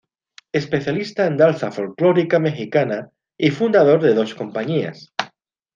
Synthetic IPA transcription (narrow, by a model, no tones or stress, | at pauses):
e̞spe̞θjalist̪aend̪alθafolkloɾikame̞xikana | ifund̪að̞o̞ɾðeð̞o̞sko̞mpaɲia̰s